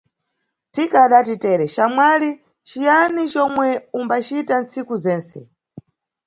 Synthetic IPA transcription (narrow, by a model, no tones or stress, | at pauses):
tikaɗatitɛɾɛt͡ʃamwali | t͡ʃijanit͡ʃɔmwɛumbat͡ʃitant͡sikuzɛːnsɛ̰